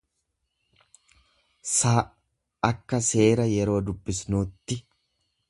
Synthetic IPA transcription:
saː | ɐkːɐse̞ːɾɐjɛɾo̞ːd̪ʊbːɪsnuːt̪ːɪ

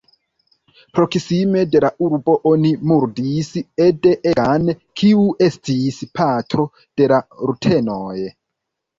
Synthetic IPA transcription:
pɾo̞ksime̞de̞laʔuɾbo̞ʔo̞nimuɾdisede̞ʔeɡankʰiuʔe̞stispʰatɾo̞ | d̥e̞laɾutʰe̞noj

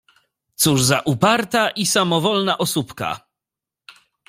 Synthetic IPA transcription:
t̪suʐzaʔupaɾt̪aʔisamɔvɔlnaʔɔsupka̰

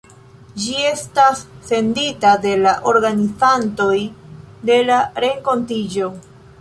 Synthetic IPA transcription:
d͡ʒie̞stasːe̞nditade̞laʔo̞ɾɡanifanto̞jde̞laɾe̞ŋko̞ntid͡ʒo̞

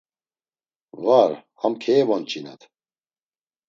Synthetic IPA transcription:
vaɾhamkʰɛɛvɔnt͡ʃʰʼinɛ̰t̪ʰ

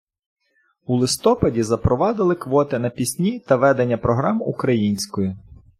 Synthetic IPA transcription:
ulˠɪst̪ɔpɐdʲizɐpɾɔʋɑd̪ɪlˠɪkʋɔt̪ɪnɐpʲisʲnʲit̪ɐʋɛd̪enʲːɐpɾɔɦɾɑmukɾɐjinʲsʲkɔji

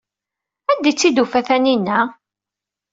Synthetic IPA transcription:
æd̪it͡sːid̪ufæθæninːæ

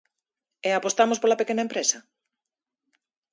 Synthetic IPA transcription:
eapost̪amospolɐpekenaɐẽmpɾesɐ

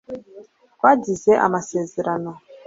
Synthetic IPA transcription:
kwadizeʔa̰maseziɾanɔ

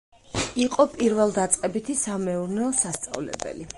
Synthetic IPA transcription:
iqʼɔpʼiɾvɛlˠd̪at̪sʼqʼɛbit̪ʰisamɛuɾnɛɔsast̪sʼa̰vlɛ̰bɛ̰li

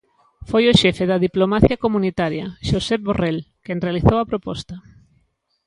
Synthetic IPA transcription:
fojoʃɛfeðɐðiplomaθjɐkomunit̪aɾjɐʃosɛp̚βorɛlkɛnrealiθowɐpɾopɔst̪ɐ

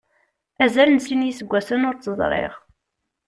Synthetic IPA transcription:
æzælənsinjisəɡʷːæsənʊɾt͡sːəzˤɾˤḛʁ

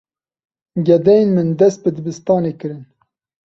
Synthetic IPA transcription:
ɡʲɛd̪ɛjenmɨnd̪ɛst̪̚bɨd̪ɨbɨst̪ɑːneːkɨɾɨn

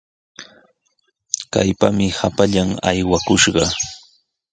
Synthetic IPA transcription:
ka̰jpamɪhapaʎama̰jwakʊʃɢɑ

